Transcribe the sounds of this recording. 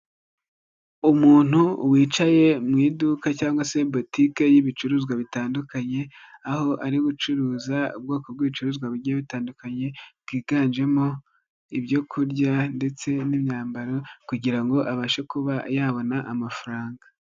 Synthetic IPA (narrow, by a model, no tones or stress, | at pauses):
umuːn̥huwiːt͡ʃaje̞mŋiːdukacaːŋɡwase̞bo̞tike̞jiβit͡ʃuɾuːzɡwaβitaːndukaɲe̞ | aho̞ʔaɾiɡut͡ʃuɾuːzaṵbɡo̞ːko̞b̚ɡiβit͡ʃuɾuːzɡwaβuɾɟiaβitaːndukaɲe̞b̥̚ɡ̥iːɡaːnd͡ʒe̞mo̞ | ibjo̞kʰuɾɟande̞t͡se̞nimɲaːmbaɾokuɟiɾaŋɡo̞ʔaβaːʃekuβajaːβo̞naʔamafaɾaːŋɡa